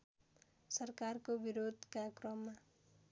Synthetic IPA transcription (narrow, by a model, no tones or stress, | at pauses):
sʌrkarkobiɾod̪ʱkakrʌmːa